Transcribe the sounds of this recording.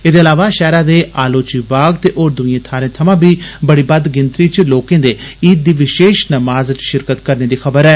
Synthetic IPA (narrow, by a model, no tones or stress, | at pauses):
eːd̪eːəlaːʋaːʃɛːɾãːd̪eːʔaːloːt͡ʃiːbaːɡt̪eːʔoːɾd̪ʊiẽːt̪ʰaːɾẽːt̪ʰəmãːbiːbəɽiːbəd̪ɡɪnt̪ɾiːt͡ʃloːkẽːd̪eːiːd̪iːʋɪʃeːʃnəmaːzt͡ʃʃɪɾkət̪kəɾneːd̪iːxʰəbəɾɛː